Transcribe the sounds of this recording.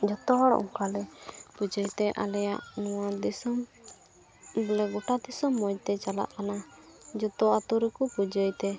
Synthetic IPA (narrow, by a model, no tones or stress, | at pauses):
d͡ʒɔt̪ɔɽ̰ʔɔ̰ŋkalɛpud͡ʒəjt̪ɛʔa̰lɛja̰ʔnɔwad̪isɔm | bəlɛɡɔʈad̪isɔmːɔjt̪ɛt͡ʃala̰ʔkanad͡ʒɔt̪ɔat̪uɾɛkupud͡ʒəjt̪ɛ